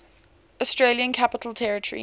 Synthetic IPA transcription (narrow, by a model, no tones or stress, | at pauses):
ɔstɹ̥eljə̃nkʰapɪtʰˡəl̩ˠtʰɛɹɪtʰəɹḭ